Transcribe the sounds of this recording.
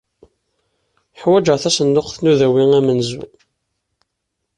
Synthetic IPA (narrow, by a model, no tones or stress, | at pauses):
əħwæd͡ʒəʁθæsənːʊqθnuðæwiŋæmənzṵ